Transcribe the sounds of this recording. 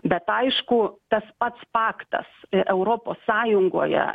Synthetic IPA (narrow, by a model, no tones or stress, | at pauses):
bʲɛt̪ɐɪʃkʊt̪ɐspɐt̪spɑːkt̪ɐ̰sʔɛʊɾoːpoːsːɑːjʊŋɡo̰ːjɛ̰